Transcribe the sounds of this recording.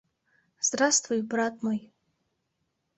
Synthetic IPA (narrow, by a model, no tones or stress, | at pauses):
z̥d̪rast̪vujbrat̪̚ʰʼmoj